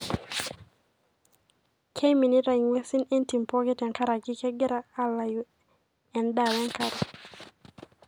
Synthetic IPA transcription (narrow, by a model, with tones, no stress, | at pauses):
kʰe˦mi˨ni˦ɾa˨i˨ŋwɛ˦si˦nɛ˦nti˨mpɔ˦kɛ˦tɛ˨ŋka˦ɾa˨ki˦kɛ˦ɡɛ˦ɾaː˦la˨ju˦ | ɛ˨nda˨wɛ˦ŋka˦ɾa˨